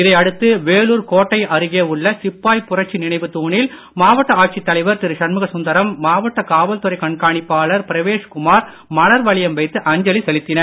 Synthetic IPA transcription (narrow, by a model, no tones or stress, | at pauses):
ɪðɐɪɐɽɯt̪ːɯʋeːɭuːɾkoːʈːɐɪɐɾɯɣeːʊɭːɐsɪpːaːjpʊrɐʈ̚t͡ʃːinɪɳɐɪʋɯt̪uːɳɪl | maːʋɐʈːɐaːʈ̚t͡ʃit̪ːɐlɐɪʋɐɾt̪ɪɾɯʂɐnmɯɣɐsʊnd̪ɐɾɐmːaːʋɐʈːɐkaːʋɐlt̪ɯɾɐɪkɐɳkaːɳɪpːaːɭɐɾpɪɾɐʋeːʂkʊmaːɾ | mɐɽɐɾʋɐɭɪjɐmʋɐɪt̪ːɯʔɐɲd͡ʒɐlisɛlɪt̪ːɪnɐ